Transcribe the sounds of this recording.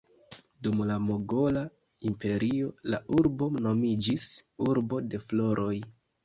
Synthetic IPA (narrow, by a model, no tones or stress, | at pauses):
dumlamoɡo̞la | impe̞ɾio̞laʔuɾbo̞no̞mid͡ʒisuɾbo̞de̞flo̞ɾʔo̞j